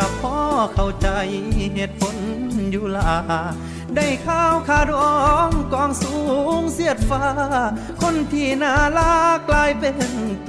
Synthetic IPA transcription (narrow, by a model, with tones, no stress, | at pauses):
a˧pʰɔː˧˥kʰa˧˩wt͡ɕa˧jɦe˧˩t̪̚pʰo˧˦njuː˧˩laː˧˩ | da˧˩jkʰaː˧˥wkʰaː˧˩dɔ˧ŋkɔː˧˥ŋsuː˨˦ŋsi˧˥˩ət̪̚faː˧ | kʰo˧˥˨nt̪ʰiː˧˩naː˧˩laː˧˥klaː˧jpe˧n